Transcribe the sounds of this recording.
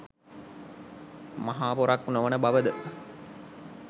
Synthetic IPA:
maɦaːpoɾaknoʋənəbaʋəd̪ə

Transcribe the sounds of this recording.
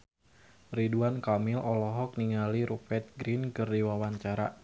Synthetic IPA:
riduankamilʔɔlɔɦɔk̚niŋaliɾupɛt̪̚ɡɾinkɨrdiwawaɲt͡ʃaɾa̰

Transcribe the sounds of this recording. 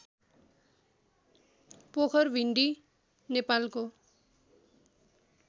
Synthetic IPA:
pokʰʌrbʱiɳɖi | nepalko

